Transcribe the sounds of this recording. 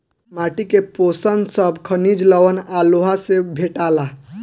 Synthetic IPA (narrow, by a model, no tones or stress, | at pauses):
maʈikeposənsəbkʰənid͡ʒləʋənaloɦasebʱeʈaːla